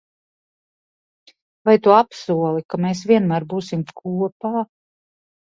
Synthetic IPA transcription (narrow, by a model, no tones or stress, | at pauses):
vajt̪uapsuɔlˠikameːs̬vʲiɛnmæːɾbuːsimkʰuɔpaː